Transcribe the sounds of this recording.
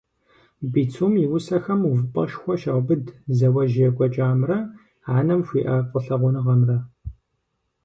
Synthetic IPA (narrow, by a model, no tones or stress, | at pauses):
biːt͡sʰumjɪwʊsɐxɐmuvɨpʼɐ̰ʃxʷɔʃɐʁʷbɨdzɐwɐʒjɛkʷʼɔt͡ʃʼaːmrɐ | aːnɐmʃʷiːʔɐqʷʼəɬɐʁʷʊnɨʁɐmrɐ